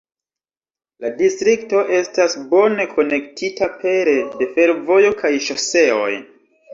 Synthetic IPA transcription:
ladistɾikto̞ʔe̞stasbo̞ne̞kʰo̞ne̞ktʰitapʰe̞ɾede̞fe̞ɾvo̞jo̞kʰajʃase̞o̞̰j

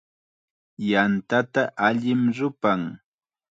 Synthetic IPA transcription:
jant̪at̪aʔaʎɪmɾʊpaŋ

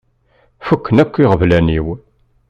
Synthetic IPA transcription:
fukʰːənækʷːiʁəvlæniw

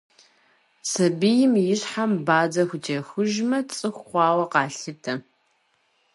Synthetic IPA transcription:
sɐbɨjɪmjɪɕħambaːd͡zɐxʷʊt͡ʃʰʼɐxʊʒmɐt͡sʼɨxʷχʷɑːwɐqɑːɬɨtʰɐ

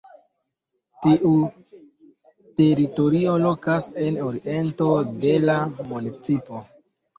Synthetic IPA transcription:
tiʔu | te̞ɾito̞ɾio̞lo̞kase̞noɾiʔe̞nto̞de̞lamunit͡sipo̞

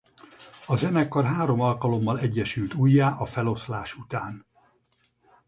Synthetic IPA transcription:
ɒzɛnɛkːɒrɦaːɾo̞mɒlkɒlo̞mːɒlɛɟːɛʃylt̪uːjːaːʔɒfɛlo̞slaːʃut̪aːn

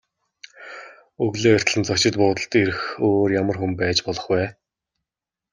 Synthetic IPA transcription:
ɵɣɮeːʊr̥ʲt̪ɮɘ̆nt͡sɔkt͡ɕɪ̆t̪̚pʊːt̪ə̆ɬt̪eɾɘ̆xoːrjamə̆rxumpæːt͡ɕpɔɮɞ̆χwæː

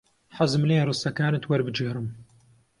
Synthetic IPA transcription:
ħazɨmleːrɨst̪ɐkaːnɨt̪wɐɾbɨd͡ʒeːɾɨm

